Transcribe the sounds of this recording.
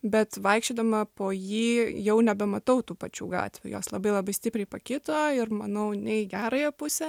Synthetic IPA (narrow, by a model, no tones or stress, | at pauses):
bʲɛt̪ʋɐɪkʃʲt͡ʃʲoːd̪ɐmɐpoːjiːjɛʊnʲɛbʲɛmɐt̪ɐʊt̪uːpɐt͡ʃʲṵːɡɑ̰ːt̪ʲʋʲjṵjo̰ːslˠɐbɐɪlˠɐbɐɪsʲt̪ʲɪpʲɾʲɛɪpokʲɪt̪oːɪɾmɐnɐʊnʲɛɪɡʲæːɾɐjɛpʊsʲɛ